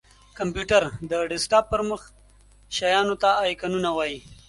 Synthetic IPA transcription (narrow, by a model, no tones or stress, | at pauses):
kampjuʈaɾd̪əɖɪsʈɑp̚ːəɾməx | ʃajɑnot̪aːjkanunawɑji